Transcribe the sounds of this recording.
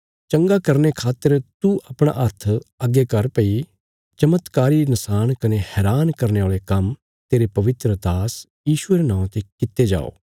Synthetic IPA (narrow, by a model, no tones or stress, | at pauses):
t͡ʃɐ̃ŋɡakɐɾnekʰaːt̪ːəɾt̪uʔɐpɽ̃a̰ʔɐɾt̪ʰɐɡekɐɾpɐi | t͡ʃɐmət̪kaːɾinɐsaːñkɐnehɛːɾaːnkɐɾneaːɭekɐm | t̪eːɾepɐʋɪt̪ɾəd̪aːs | jiːʃueːɾenãːt̪ekɪt̪ːed͡ʒa̰ːo̰ː